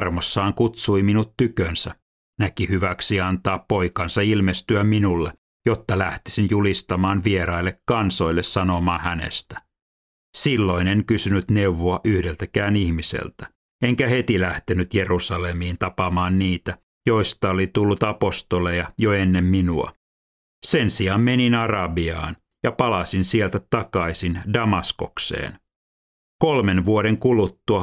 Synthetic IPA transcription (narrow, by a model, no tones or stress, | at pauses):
rmosːɑːŋkut̪suiminut̪tykønsæ | nækihyʋæksiɑnt̪ɑːppo̞ikɑnsɑilmest̪yæmminulːe | jot̪ːɑlæht̪i̥sinjulist̪ɑmɑːnʋieɾɑilːekkɑnso̞ilːessɑnomɑːhænḛst̪æ̥ | silːo̞ineŋkysynyt̪neuʋoɑʔyhdelt̪ækæːnihmisḛlt̪æ | eŋkæhe̞t̪ilæht̪enyt̪jerusɑlemiːnt̪ɑpɑmɑːnniːt̪æ | joist̪ɑolit̪ulːut̪ɑpo̞st̪olejɑjoenːemminuɑ̰ | se̞nsiɑmmeninɑrɑbiɑ̰ːn | jɑpɑlɑsinsielt̪æt̪ɑkɑisindɑmɑsko̞̰ksḛːn | kolme̞nʋuoɾeŋkulut̪ːuɑ